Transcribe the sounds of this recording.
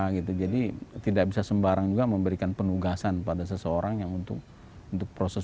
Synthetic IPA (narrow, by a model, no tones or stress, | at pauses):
ɡit̪ud͡ʒadit̪idak̚bisasəmbaɾaŋd͡ʒuɡaməmbəɾikanpənuɡasanpadas̬əsəoɾaŋjaŋunt̪ʊk̚ | unt̪ʊk̚pɾosɛs